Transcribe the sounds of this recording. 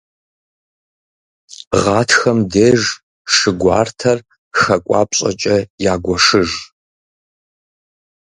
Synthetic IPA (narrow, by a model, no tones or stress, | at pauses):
ʁɑːtʰxɐmdeːʒ | ʂɨɡʷaːrtʰɐr | xɐkʷʼa̰ːpɕʼɐ̰t͡ʃʼɐjaːɡʷɔʂɨʒ